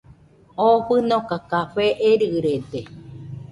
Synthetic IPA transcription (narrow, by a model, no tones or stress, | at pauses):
oɸɨnokakaɸeʔeɾɯɾed̪e